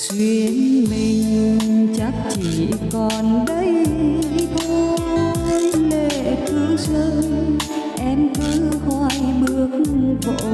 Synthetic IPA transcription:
swi˧əənmi˧˨˩ŋ˧t͡ɕa˦˥k̚t͡ɕi˧˩˨kɔ˨˩nɗə˧˦j | t̪ʰɔ˧ | jle˧˩kɨ˧˦əŋsə˧˦ŋ | ʔɛ˧mkɨ˧˦hɔ˧˩jɓɨ˦˥ək̚ko̰˧˨

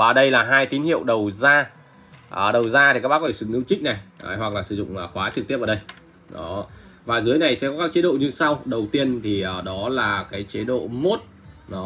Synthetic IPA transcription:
vaː˨˩ɗə˧jlaː˨˩ɦaː˧jt̪i˨˦nhḭ˧˨əwɗə˨˩wzaː˧ | ʔɗə˨˩wzaː˧t̪ʰi˨˩kaː˦˥kɓaː˦˥kɔ˦˧˩sɨ˨˧˩ŋʔɨ̰˧˥wt͡ɕï˦˥k̟̚na˨˩jhwa˨˩k̚laː˨˩sɨ˧˩zʊ̰˧˨ŋ͡mʔːxwaː˨˦t͡ɕɨ˨˩k̚t̪əpʔːɗə˧j | ɗɔ˨˦ | vaː˨˩zɨ˨˦əjna˨˩jsɛ̰˧˥kɔ˨˦kaː˦˥k̚t͡ɕi˨˦ɗo̰˧˨ɲɨ˧sa˧wɗə˨˩wt̪i˧ənt̪ʰi˨˩ʔəː˨˩ɗɔ˨˦laː˨˩kaː˨˦jt͡ɕe˨˦ɗo̰˧˨mo˦˥t̚ | nɔ˨˦

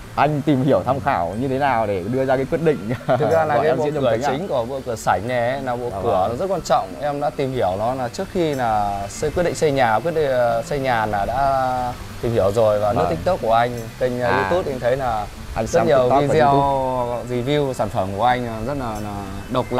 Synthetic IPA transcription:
ʔa˧jŋ̟t̪i˨˩mhi˧˩əwt̪ʰa˧mŋ͡mxaː˧˩wɲɨ˧t̪ʰe˨˦naː˨˩wɗe˧˩ɗɨ˧əzaː˧kaː˨˦kwi˦˥t̚ɗḭ̈˧˨ŋ̟˨˧a˧laː˨˩˨kːḭ˧˨˧t͡ɕt͡ɕï˨˦ŋ̟ku˧˩əɓṵ˧˨kɨ˧˩əsa˧˩jŋ̟nɛ˨˩˦naː˨˩ɓṵ˧˨kɨ˧˩ənɔ˨˦zə˦˥t̚kwaː˧nt͡ɕɔ̰˧˨wŋ͡mʔɛ˧mɗa̰ː˧˥t̪i˨˩mhi˧˩əwnɔ˨˦naː˨˩t͡ɕɨ˦˥ək̚xi˧naː˨˩skwi˦˥t̚ɗḭ˧˨ŋsa˧jɲaː˨˩kwi˦˥ət̚ɗi˧˨ŋsa˧jɲaː˨˩naː˨˩ɗa̰ː˧˥ | t̪i˨˩mhi˧˩əwzo˨˩jvaː˨˩nɨ˧˥ə˧t̪ʰk̚t̪ə˦˥k͡p̚ku˧˩əʔa˧jŋ̟t̪ï˧ŋ̟ː˨˩zi˧t̪u˦˥t̚ʔa˧ŋt̪ʰe˨˦jnaː˨˩ | ʔzə˦˥˦t̚ɲi˨˩˨əwvi˧˨zɛ˧˨˧wzi˨˩vi˧wsaː˧˩nfə˧˩mku˧˩əʔa˧jŋ̟ː˨˩zə˦˥t̚laː˨˩na˨˩ | ɗə˨˩k͡p̚la̰˧˨

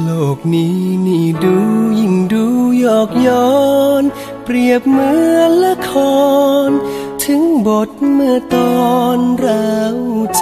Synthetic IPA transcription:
loː˧˩k̚niː˦˥niː˧˩duː˧˦ji˧˩ŋduː˧˦jɔː˨˩k̚jɔː˧˦n | pɾi˨˩əp̚mɯ˧˥˧ənla˧˥kʰɔː˧˦nt̪ʰɯ˨˦ŋbo˨˩t̪̚mɯ˧˩ət̪ɔː˧nɾa˧˥wt͡ɕ

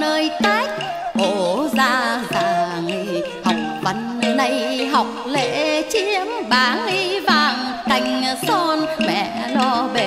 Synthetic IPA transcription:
nəː˧jt̪aː˦˥jk̚ | ʔo˨zaː˧haː˨˩ŋi˧ | ha˨˩wk͡p̚və˨˦n | na˧jɦa˨˩wk͡p̚lḛ˧˨˥t͡ɕi˧˥əmɓaː˨˩˦ŋli˧vaː˨˩ŋk̪a˨˩jŋ̟sɔ˧nmɛ̰˧˨lɔ˧ve˨

